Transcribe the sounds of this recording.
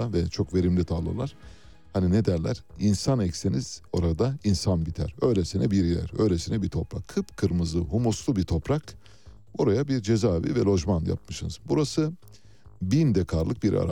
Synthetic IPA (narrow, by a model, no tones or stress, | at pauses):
avɛt͡ʃʰo̞kve̞ɾimlʲit̪ʰalˠɯ̰lˠaɾ̥ | hanine̞d̪æɾlʲæ̰ɾ̥insanɛcseniz̥o̞ɾad̪ainsanbit̪ʰæ̰ɾø̞jlʲesinɛbiɾilʲæ̰ɾø̞̰jlʲesinɛbit̪ʰo̞pɾa̰kʰːɯpkʰɯɾmɯzɯɦumuslˠubit̪ʰo̞pɾak | oɾajabiɾd͡ʒe̞zaːvḭvɛlʲo̞ʒmanja̰p̚mɯʃɯnɯzbuɾasɯ | bind̪ɛkʰaɾlˠɯk̚biɾa̰ɾa̰